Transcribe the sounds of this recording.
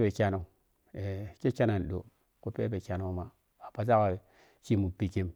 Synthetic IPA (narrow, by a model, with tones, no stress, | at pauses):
be˨kʲa˦no˨ | e˨ke˦t͡ʃa˦na˨n˨ɗo̰˨ | ku˦pe˦be˨kʲa˦no˦ma˨ | a˨pa˨s̬a˦ka˨ | t͡ʃi˦mu˨pi˨ki˦m